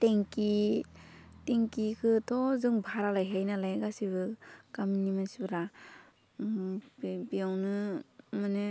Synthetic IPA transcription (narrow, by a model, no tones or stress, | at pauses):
teŋki | teŋkikʰɯtʰɔzɯŋbʱaɾalajɦejnalajɡasibɯkaminimansibɯɾa | bijawnɯmɯnɯ